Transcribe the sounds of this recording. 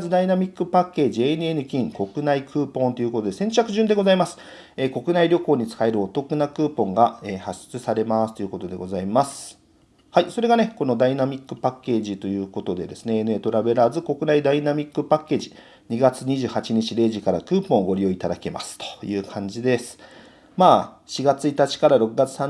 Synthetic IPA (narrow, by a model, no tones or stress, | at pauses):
zɨd̪ainamʲikːɯ̟pakːe̞ːʑienɯ̟enɯ̟kʲĩŋko̞kɯ̟naikʰɯ̟ːpõ̞nt̪o̞jɯ̟ko̞t̪o̞d̪e̞sẽ̞ɲt͡ɕakɯ̟ʑɨ̃nd̪e̞ɡo̞zaimasɨ̥ | eːko̞kɯ̟naiɾʲjo̞ko̞ːɲ̟it͡sɨ̥kae̞ɾɯ̟o̞t̪o̞kɯ̟nakɯ̟ːpõ̞ŋɡaeːhaɕi̥t͡sɨsaɾe̞masɨ̥t̪o̞jɯ̟ko̞t̪o̞d̪e̞̰ɡo̞zaimasɨ̥ | haiso̞ɾe̞ɡane̞ko̞no̞d̪ainamʲikːɯ̟pakːe̞ːʑit̪o̞jɯ̟ːko̞t̪o̞d̪e̞d̪e̞sɨne̞enɯ̟e̞ːt̪o̞ɾabe̞ɾazɨko̞kɯ̟naid̪ainamʲikːɯ̟pakːe̞ːʑi | ɲ̟iɡat͡sɨɲ̟iʑɨːhat͡ɕiɲ̟it͡ɕiɾe̞ːʑikaɾa̰kɯ̟ːpõ̞ːoɡo̞ɾʲio̞it̪ad̪ake̞ma̰sɨ̥t̪o̥jɯ̟ːkʰãɲ̟d͡ʑid̪e̞sɨ̥ | maː | ɕiɡat͡sɨit̪at͡ɕi̥kaɾaɾo̞kɯ̟ɡat͡sɨ̥sãn